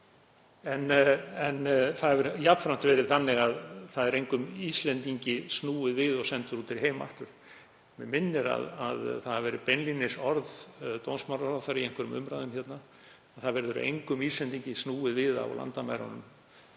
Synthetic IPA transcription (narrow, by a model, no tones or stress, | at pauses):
ɛnɛnθaðvɛɾjapfɾam̥t̪vɛːɾɪðθanːɪɣaðθaðɛɾejŋkʏmist̪lɛnt̪iɲcɪst̪nuːɪðvɪðɔɣsɛnt̪ʏɾ̥huːt̪ʰɪɾɦeːjma̰ht̪ʏɾ̥ | mɛ̰mɪnːɪɾa̰ða̰ðθaðhavɛːɾɪpɛnlinɪsɔɾðt̪ownsmaɾaaθaɾiejŋkʰɛɾʏmʏ̰mɾajðʏmçjɛt̪na | aθaðvɛːɾðʏɾʏ̰ʔḛjŋkʏmist̪ɛnt̪iɲcɪsnuːɪðvɪða̰wla̰nt̪amaːjɾa̰nʏ̰m